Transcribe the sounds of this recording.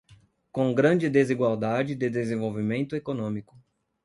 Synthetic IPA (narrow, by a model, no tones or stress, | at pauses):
kõɡɾɐ̃d͡ʒɪd̪eziɡwawd̪ad͡ʒɪd̪ɪd̪ezẽvowvimẽnt̪ʊekonõmikʊ̥